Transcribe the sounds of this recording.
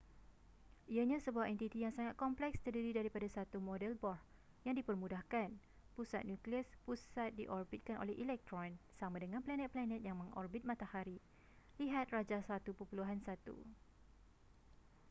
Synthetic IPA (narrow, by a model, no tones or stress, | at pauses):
ʔiaɲãsəbuahɛnt̪it̪ijaŋsaŋat̪̚kɔmplɛkst̪ərdiɾidaɾipadasat̪umɔdɛlbɔr | jaŋdipərmũdahkan | pusa̰t̪̚njũkliəspusat̪̚diʔɔrbit̪̚kanʔo̰lɛhʔilɛk̚t̪ɾɔnsamãdəŋãnplanɛt̪̚planɛt̪̚jaŋmə̃ŋʔɔ̰rbit̪̚mãt̪ahaɾi | liɦat̪̚rad͡ʒasat̪upəpuluɦansat̪ṵ